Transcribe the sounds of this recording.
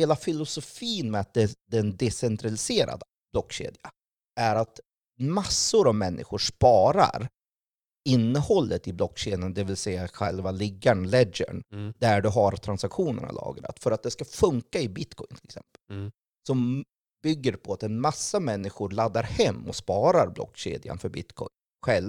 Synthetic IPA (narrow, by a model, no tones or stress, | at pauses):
heːlafɪlʊsʊfiːnmɛat̪̚d̪ɛd̪ɛnd̪ɛsɛnt̪ɾalɪseːɾa̰d̪ə | b̥lɔkːɕḛːd̪ja | ʔæɾat̪ | masːʊɾavmɛnːʔɪ̰ɧʊɾʂpɑːɾa̰ɾ | ɪnːəhɔlːət̪ɪblɔkːɕeːd̪jənd̪ɛvɪlsɛjːaɧɛ̰lvalɪɡːaɳlɛɡə̰ɳd̪æɖɵɦaɾt̪ʰɾansakɧuːnə̰na̰lɑ̰ːɡɾa̰t̪fœɾat̪̚d̪ɛskafɵŋkaɪbɪt̪kʰɔjnt̪ʰɪlɛksɛ̰mpəl | sɔm | bʏɡːəɾpʰɔat̪ɛnmasːamɛnːɪɧʊɾɭad̪ːaɾhɛmːɔ̰spɑːɾaɾblɔ̰kːɕḛːd̪ja̰nfœɾbɪ̰t̪kʰɔ̰jn | ɧɛl